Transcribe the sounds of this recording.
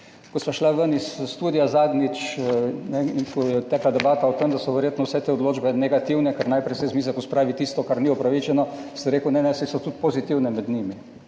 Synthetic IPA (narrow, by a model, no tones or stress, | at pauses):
kɔsʋaʃlaʋənisːt̪uːd̪ijazaːd̪nit͡ʃnɛinkɔjɛt̪ːɛːklad̪ɛbaːt̪aot̪emd̪asɔʋɛɾjeːt̪nɔwsɛt̪eːod̪loːd͡ʒbɛnɛɡat̪iwnɛkaɾnajpɾɛjsɛjzmiːzɛkɔspɾaːʋit̪iːst̪ɔkaɾniɔpɾaʋit͡ʃɛnɔsɛɾeːkunɛnɛsɛsɔt̪ut̪̚pozit̪iwnɛmɛd̪niːmi